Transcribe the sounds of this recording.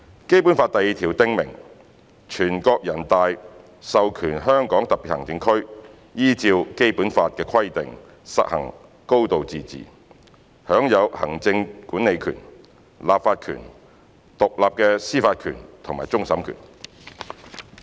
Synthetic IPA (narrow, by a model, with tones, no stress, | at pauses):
ke˥jpu˨˥nfaː˧t̪ɐ˨ji˨t̪ʰiː˨˩wt̪ɪ˧ŋmɪ̰˨˩ŋ | t͡ʃʰyː˨˩nkɔː˧k̚jɐ˨˩nt̪aː˧j | sɐ˨wkʰyː˨˩nɦœː˥ŋkɔː˨˥ŋt̪ɐ˨k̚pi˨t̚hɐ˨˩ŋt͡sɪ˧ŋkʰɵ˥ɥ | jiː˥t͡siː˧wke˥jpuː˨˥nfaː˧t̚kɛː˧kʰɐ˥jt̪ɪ̰˨ŋ | sɐ̰˨k̚hɐ̰˨˩ŋ | ko˥wt̪o˨wt͡siː˨t͡sḭː˨ | hœː˨˥ŋjɐ˨˧whɐ̰˨˩ŋt͡sɪ˧ŋkuː˨˥ne˨˧jkʰy̰ː˨˩n | laː˨p̚faː˧t̚kʰy̰ː˨˩n | t̪ʊ˨k̚laː˨p̚kɛː˧siː˥faː˧t̚kʰy̰ː˨˩nt̪ʰʊ˨˩ŋmaː˨˩t͡sʊ˥ŋsɐ˨˥mkʰy̰ː˨˩n